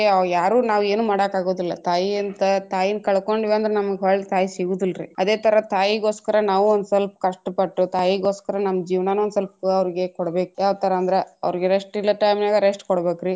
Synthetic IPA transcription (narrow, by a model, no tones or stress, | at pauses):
ejaːɾuːnaːʋe̞ːnuːmaːɽɐkaːɡoːd̪ilːɐt̪aːjiɐnt̪ɐt̪aːjinkɐɭko̞ɳɖiʋeːnd̪ɐɾenɐmɐɡɦɐːɭt̪ʰaːjisiɡud̪ilɾḭɐd̪e̞ːt̪ʰɐɾɐt̪aːjiɡo̞ːskɐɾɐnaːʋuond̪uselp̚kɐʂʈɐpɐʈːut̪aːjiɡo̞ːskɐɾɐnɐmːɐd͡ʒiːʋnaːnuond̪uselp̚ɐʋɐɾiɡe̞kɔɽɐbeːkujaːʋt̪ɐɾɐːnd̪ɐɾeɐ̰ʋɾiɡeɾesʈilːɐʈɐjmnaːɡɐɾesʈkɔɽbeːkɾi